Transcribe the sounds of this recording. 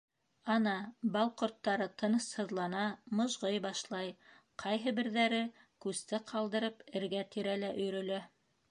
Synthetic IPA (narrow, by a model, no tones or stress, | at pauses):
ɑnɑbɑlˠqort̪ːɑɾɤt̪ʰɤ̆nɤshɤ̆ðlˠɑnɑmɤ̆ʒʁɤjbɑʃlˠɑj | qʰɑjɦɤbɘ̆ɾðæɾɘ | kʉst̪ɘqʰɑlˠd̪ɤ̆ɾɤpɘ̆ɾɡæt̪iɾælæʔɵ̆jɾɵ̆læ